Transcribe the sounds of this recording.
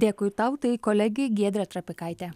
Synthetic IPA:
d̪ʲeːkʊːjt̪ɐʊt̪ɐɪkɔlʲɛɡʲɛɪɡʲiɛd̪ʲɾʲɛt̪ɾɐpʲɪkɐɪt̪ʲɛ

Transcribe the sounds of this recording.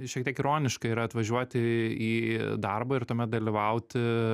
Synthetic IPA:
ʃʲiɛkt̪ʲiɛkɪɾoːnʲɪʃkɐiːɾɐɐt̪ʋɐʒʲuɔt̪ʲɪiːd̪ɐrbɐːɪrt̪uɔmʲɛt̪̚d̪ɐlʲiʋɐʊt̪ʲɪ

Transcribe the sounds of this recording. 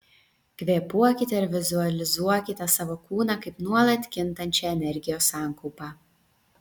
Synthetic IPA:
kʲʋʲeːpuɔkʲɪt̪ʲɛɪɾʋʲɪzʊɐlʲɪzuɔkʲɪt̪ʲɛsɑʋoːkuːnɑkɐɪpnuɔlˠɐt̪ʲkʲɪnt̪ɐnʲt͡ʃʲɛˑɛnʲɛɾʲɡʲɪjoːsːɑːˑŋkɔʊpɑː

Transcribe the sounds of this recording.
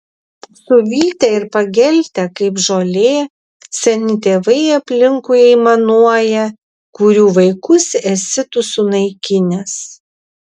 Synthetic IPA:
sʊʋʲiːt̪ʲɛɪɾpɐɡʲɛlʲt̪ʲɛkɐɪpʒoːlʲeː | sʲɛnʲɪt̪ʲeːʋɐɪɐpʲlʲɪŋkʊjɛɪmɐnuɔjɛ | kʊɾʲuːʋɐɪkʊsɛsʲɪt̪ʊsʊnɐɪkʲɪnʲɛs

